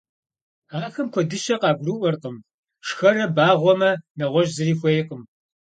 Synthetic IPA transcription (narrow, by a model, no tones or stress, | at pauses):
aːxɐmkʷʰɔdɨʃɐqɑːɡʷrɨʔʷɔrqəm | ʂxɐrɐbaːʁʷɔmɐnɐʁʷɔʒzɨɾiːxʷejɪqəm